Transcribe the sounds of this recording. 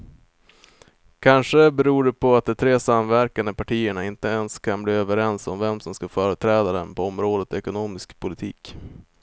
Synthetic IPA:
kʰanʂəbɛɾuːɖɛpʰɔat̪̚d̪ɛt̪ʰɾeːsamvæɾkand̪əpʰaʈʰiːəɳaɪnt̪əɛnskʰanbliːøvəɾɛnsɔmvɛmsɔmskafœːɾət̪ʰɾɛːd̪ad̪ɛnpʰɔɔmɾoːd̪ət̪ɛkʊnoːmɪskpʰʊlɪt̪ʰiːk

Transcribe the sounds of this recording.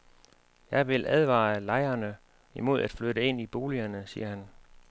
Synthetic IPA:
jɑ̈ɪʋe̝lʔæð̞ˠʋɑ̰̈ːlɑ̈ɪɐnə | imo̝ð̞ˠæd̥fløɾəe̝n̰ib̥o̝ːliɐnəsḭːɐhæn

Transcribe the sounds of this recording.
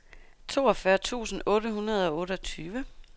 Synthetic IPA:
t͡sʰo̝̰ːɒ̽fɶɐt͡sʰṵːsn̩ɔ̽ːɾəhunɐð̞̩ˠɒ̽ɔ̽ːɾəɒt͡sʰyːʋə

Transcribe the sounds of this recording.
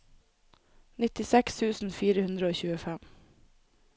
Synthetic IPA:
nɪt̪ɪsɛkst̪ʰʉːsn̩fiːɾəhʉnd̪ɾəoːçʉːəfæm

